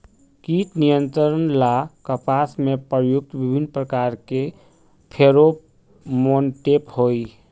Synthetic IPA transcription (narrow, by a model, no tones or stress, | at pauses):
kit̪nijə̃nt̪ɾəɾənlakəpasmepɾjuk̚t̪bibʱinːpɾəkaɾke | pʰeɾo | monʈephoi